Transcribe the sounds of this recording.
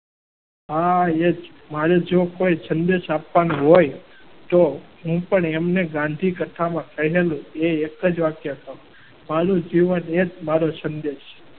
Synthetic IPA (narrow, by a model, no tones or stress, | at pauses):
ɦaed͡ʒ | maɾed͡ʒokoisənd̪eʃapʋanũɦoj | t̪oɦũpəɳemneɡãnd̪ʱikət̪ʰamãkʰəɦelũeekəd͡ʒʋakjəkəɾũ | maɾũd͡ʒiʋəned͡ʒmaɾosənd̪eʃ